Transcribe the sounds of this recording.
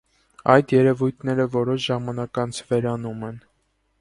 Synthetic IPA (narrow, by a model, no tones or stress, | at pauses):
ɑjd̪jɛɾɛvujt̪ʰnɛɾəvɔɾɔʃʒɑmɑnɑkɑnt͡sʰvɛɾɑnumɛn